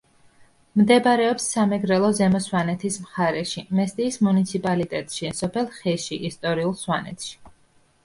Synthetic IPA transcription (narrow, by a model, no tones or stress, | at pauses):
md̪ɛbaɾɛɔpsːamɛɡɾɛlˠɔzɛmɔswanɛt̪ʰismχaɾɛʃimɛst̪ʼiːsmunit̪sʰipʼalit̪ʼɛt̪ʼʃisɔpʰɛlˠχɛʃiʔist̪ʼɔɾiulˠswanɛt̪ʰʃi̥